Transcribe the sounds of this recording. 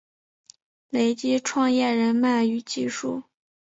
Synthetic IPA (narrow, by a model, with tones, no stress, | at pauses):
le˧˥ɪt͡ɕi˥ʈ͡ʂʰwɑ˥˧ŋjɛ˥˩ɻə˧˥nma˥˩ny˧˥t͡ɕi˥˧ʂu˥˩